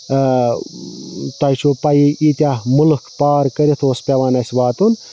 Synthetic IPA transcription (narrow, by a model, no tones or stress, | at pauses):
t̪ɐjt͡ʃʰupɐjiʔiːt̪ʲamulkʰpaːɾkəɾit̪ʰoːspʲɐʋaːnɐsʲʋaːt̪un